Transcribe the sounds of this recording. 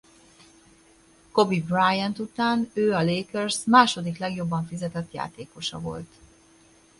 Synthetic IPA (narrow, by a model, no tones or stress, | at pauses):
ko̞bibrajɛnt̪ut̪aːnøːɒleːkørsmaːʃo̞d̪iklɛɡjo̞bːɒɱfizɛt̪ɛt̪ja̰ːt̪eːko̞ʃɒ̰vo̞̰lt̪